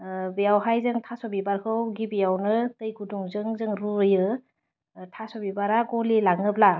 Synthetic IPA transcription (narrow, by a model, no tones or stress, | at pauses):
bijawɦajzɯŋtʰasɔbibaɾkʰɯwɡibijawnɯtɯjɡuduŋzɯŋzɯŋɾuɯjɯ | tʰasɔbibaɾaɡɔlilaŋɯp̚la